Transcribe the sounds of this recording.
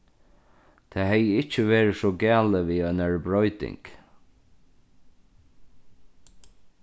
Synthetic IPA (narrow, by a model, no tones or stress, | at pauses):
t̪ʰɛːɦɛjəɪt͡ʃːəʋeːɹəsɔɡæːləʋiœʏnæɹbɹɔʏt̪ɪ̰ŋk